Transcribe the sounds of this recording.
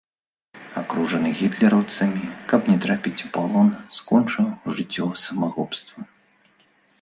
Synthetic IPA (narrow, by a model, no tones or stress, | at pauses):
akɾuʐɐnɨɣʲit̪lʲɛɾɐwt̪sɐmʲikɐpnʲɛt̪ɾapʲit͡sʲpalˠɔnskɔnt͡ʂɐwʐɨt͡sʲːɔsɐmaɣɔpst̪vɐ